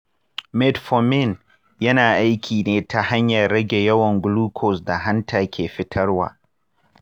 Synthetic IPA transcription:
mɛ˦tfɔ˨mɪ˦˨n | jɐ˦naː˨ʔa˦jkʲʰiː˨neː˦ta˨ha˦ɲjɐ˨rːɐ˦ɡʲe˨jɐ˦wɐ˨ŋɡluː˦kʰɔ˨sda˨ɦa˦ntaː˨kʲʰeː˨ɸɪ˦tʰɐ˦rwa̰ː˨

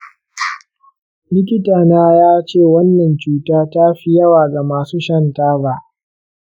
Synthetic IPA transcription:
lɪ˦kʲɪ˦taː˨naː˦jaː˦t͡ʃeː˦˨wɐ˦nːɐ˨nt͡ʃuː˦taː˦ta˦ɸi˦jɐ˦waː˨ɡa˨maː˨suː˦ʃɐ˦ntaː˦ba˦ʔ

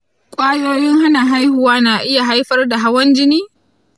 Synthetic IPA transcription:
kʷʼaː˦joː˦jɪ˦ŋha˦na˨ɦa˦jhʊ˨waː˦naː˨ʔɪ˦ja˨ɦa˦jɸɐ˦rda˨ɦa˦wɐ˦nd͡ʒɪ˦niː˦

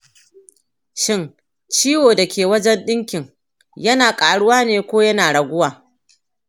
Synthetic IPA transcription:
ʃɪ˦n | t͡ʃiː˦woː˨da˨kʲeː˨wɐ˦d͡ʒɛ˦nɗɪ˦ŋkʲɪ˨ŋ | jɐ˦naː˨kʼaː˨ɽʊ˦waː˦neː˨kʷoː˦jɐ˦naː˨ɽɐ˨ɡʷʊ˦waː˨

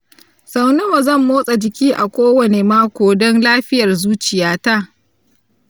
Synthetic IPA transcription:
sa˨wnɪ˦wa˨zɐ˦˨mːoː˦sʼa˨d͡ʒɪ˨kʲiː˦ʔa˨kʷoː˦wɐ˨ne˨maː˦kʷoː˨dɔ˦nlaː˦ɸɪ˦jɐ˨rzuː˦t͡ʃɪ˨jaː˦ta˦

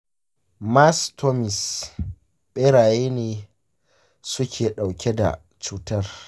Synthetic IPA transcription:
ma˦stʰo˦mɪ˨s | ɓe˦ɾaː˨jeː˦neː˨ | sʊ˦kʲʰeː˨ɗa˨wkʲʰɛ˦da̰˨ | t͡ʃuː˦tɐ˦r

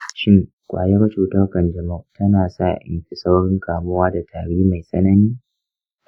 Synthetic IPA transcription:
ʃɪ˦ŋ | kʷʼa̰ː˨jɛ˦rt͡ʃuː˨tɐ˦rkɐ˨nd͡ʒɐ˨mɐ˦tɐ˦naː˨sa̰ː˦˨ʔɪ̰˨mɸɪ˨sa˦wɽɪ˦ŋkʰaː˨mʊ˦waː˦da˨tʰaː˨ɽiː˦ma˨jsʼɐ̰˦nɐ˦niː˦

